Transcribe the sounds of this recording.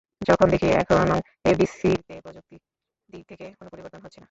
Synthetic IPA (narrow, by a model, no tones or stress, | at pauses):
d͡ʑɔkʰond̪ekʰieɛ̰kʰonno | ebisit̪epɾɔd͡ʑok̚t̪i | d̪it̪ʰekekonopoɾiboɾt̪onɦotːɕʰena